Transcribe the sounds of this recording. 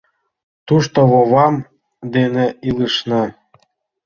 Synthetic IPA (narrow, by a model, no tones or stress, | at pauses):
t̪uʃt̪oβoβɑm | d̪eneilˠɯʃnɤ